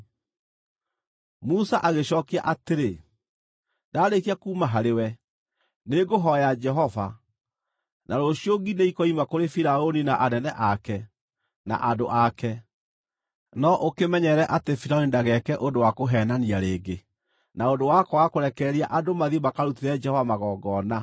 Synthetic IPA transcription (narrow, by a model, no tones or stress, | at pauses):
musaʔaɣeɕɔkia̰ʔateɾe | ndaːɾekiakuːmaɦaɾewɛ | neɡoɦɔjad͡ʒɛɦɔva̰ | nʔaɾoɕioɡineikɔimakoɾefiɾaoninaʔanɛnɛʔakɛ | na̰ʔadoʔakɛ | nɔʔokemɛɲɛɾɛʔatefiɾaonindaɣɛkɛʔondowakoɦɛːnaniaɾeːɡe | naondowakɔwakoɾɛkɛɾiaʔadomaðiemakaɾutiɾɛd͡ʒɛhɔvamaɣɔːɡɔna